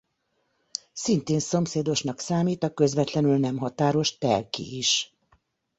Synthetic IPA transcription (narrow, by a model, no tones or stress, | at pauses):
sint̪eːnso̞mseːd̪o̞ʃnɒksaːmiːt̪ɒkø̞zvɛt̪lɛnylnɛmɦɒt̪aːɾo̞ʃt̪ɛ̰lkḭʔiʃ